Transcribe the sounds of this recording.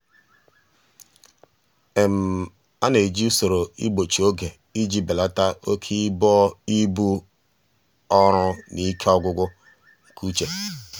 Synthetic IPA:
e˨m̩˨ | a˦ne˨d͡ʒi˦so˨ɾo˨ḭ˦ɡ͡bo˨t͡ʃi˨o˦ɡe˨ | i˦d͡ʒi˨be˨la˦ta˦o˦kʰi˦bɔ˦i˦bu˦ | ɔ˦ɾʊ˦ni˦kʰe˦ɔ˦ɡʷʊ˦ɡʷʊ˦ | ŋ̩˨kʰu˦t͡ʃe˨

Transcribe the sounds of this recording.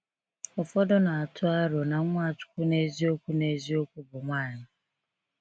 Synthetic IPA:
ʊ˨fɔ˦dɔ˦na˨a˨tʰʊ˦a˦ɾʊ˨na˨˦ŋʷa˦˨t͡ʃʊ̥˦kʷu˦ne˦zi˦o˦kʷu˦ne˨zi˦o˦kʷu˦bʊ˨ŋʷaː˦˨ɲɪ˦

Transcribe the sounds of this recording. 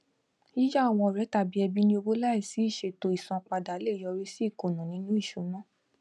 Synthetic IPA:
i˦d͡ʒa˦a˦˨w̃ɔ̃˧˨ɾɛ˨˦ta˦˨bi˦ɛ˧bi˦nĩ˦o˧bo˦la˦i˦˨si˨˦i˦˨ʃe˧to˧i˨sɔ̃˧k͡pa˧da˨˦le˦˨jɔ˧ɾi˦si˦i˦˨ko˨nũ˨nĩ˨˦nũ˦i˦˨ʃu˨˦nã˦˨

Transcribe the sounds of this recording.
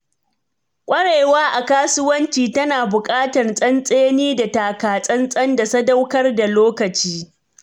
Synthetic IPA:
kʷʼɐ˦ɽeː˨waː˦ʔa˨kaː˦sʊ˦wɐ˦nt͡ʃiː˨tɐ˦naː˨bʊ˨kʼaː˦tɐ˨rsʼɐ˦nsʼeː˦niː˦da˨taː˨kaː˨sʼɐ˦nsʼɐ˦nda˨sɐ˦da˦wkɐ˦rda˨loː˦kɐ˨t͡ʃiː˦

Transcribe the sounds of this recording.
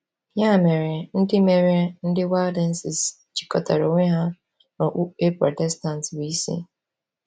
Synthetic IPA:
ja˦˨me˨ɾe˨n̩˦dɪ˦me˨ɾe˦n̩˦dɪ˦wa˦dɛ˦n̩˦sɪ˨s | t͡ʃi̥˨kɔ˨ta˨ɾo˨ŋʷe˦ɦa˦ | nɔ˨ʔe˦pɾɔ˨tɛ˦sta˨n˨twi˦sḭ˦

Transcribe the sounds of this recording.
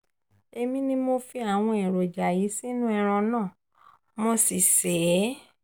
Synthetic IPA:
e˧mĩ˦nĩ˦mo˧fi˧˦a˦˨w̃ɔ̃˧ɛ̃˨ɾo˨d͡ʒa˨ji˨˦si˦nũ˦ɛ˧ɾ̃ã˧nãː˦˨ | mo˧si˨sɛ˨˦

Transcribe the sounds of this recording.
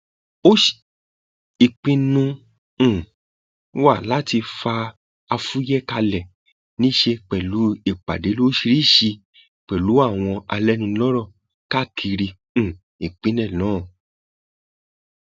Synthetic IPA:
o˦ʃi˨ | i˨k͡pĩ˧nũ˧˦˨ | wa˦˨la˦ti˧fa˧ | a˧fu˦jɛ˦ka˧lɛ˨ | nĩ˦ʃe˧k͡pɛ˨lu˨˦i˦˨k͡pa̰˨de˨˦lo˦ʃi˧ɾi˦˨ʃi˧ | k͡pɛ˨lu˨˦a˦˨w̃ɔ̃˧a˧lɛ˦nĩ˧lɔ˦ɾɔ˦˨ | ka˦˨kʰi˧ɾĩ˧˨ | i˨k͡pĩ˦nɛ̃˦˨lɔ̃ː˨˦˨

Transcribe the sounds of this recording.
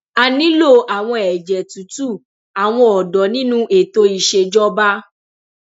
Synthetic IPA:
a˨nĩ˨˦lo˦˨ʔa˨w̃ɔ̃˧ɛ˨d͡ʒɛ˨tu˨˦tu˦˨ | a˨w̃ɔ̃˧ɔ˨dɔ˨˦nĩ˦nũ˦ʔe˨to˧i˨ʃe˧d͡ʒɔ˦ba˦

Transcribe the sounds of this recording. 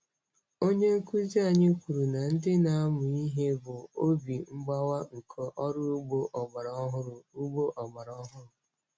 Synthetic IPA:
o˦ɲe˦ku˦zi˦a˨ɲɪ˦kʷu˨ɾu˨na˨n̩˦dɪ˦na˦a˦mʊ˨i˦ɦe˦bʊ˨o˦bi˨ŋ͡m̩˦ɡ͡ba˦wa˦ŋ̩˨kʰo˨ʔɔ˦ɾʊ˦u˦ɡ͡bo˦ʔɔ˨ɡ͡ba˨ɾɦʊ˦ɾʊ˨u˦ɡ͡bo˦ʔɔ˨ɡ͡ba˨ɾɔ˦ɦʊ˦ɾʊ˨

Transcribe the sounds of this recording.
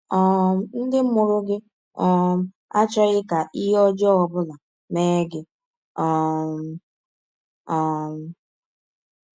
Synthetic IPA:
ɔ˨˦n̩˦dɪ˦mʊ˨ɾʊ˦ɡɪ˦ | ɔ˨˦ | a˦t͡ʃɔ˦ɣɪ˦ka˨ʔi˦ɦɔ˦d͡ʒɔ˦ɔ˨bʊ˦la˨ | meː˦ɡɪ˦ | ɔ˨ | ɔ˨

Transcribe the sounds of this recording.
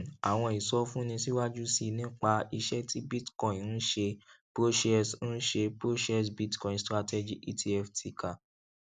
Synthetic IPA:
a˨w̃ɔ̃˧i˨sɔ˧fũ˦nĩ˧si˦wa˦d͡ʒu˦si˧nĩ˦k͡pa˧i˧ʃɛ˦tʰi˦bi˦tkɔ̃˨ĩ˨ñ̩˦ʃe˧pɾo˦ʃɛ˦˨sn̩˦ʃe˧pɾo˦ʃɛ˦s̬bi˦tkɔ̃˨ĩ˨stɾa˦tɛ˦d͡ʒi˨ʔi˦tʰi˧ɛ˦˨ftʰi˧ka˨

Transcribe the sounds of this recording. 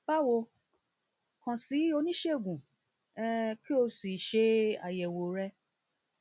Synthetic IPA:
ba˦wo˧ | kã˨si˨˦o˧nĩ˦ʃe˦˨ɡũ˨˦ | ki˦o˧si˨ʃe˧˦a̰˨jɛ˨wo˨ɾɛ˧

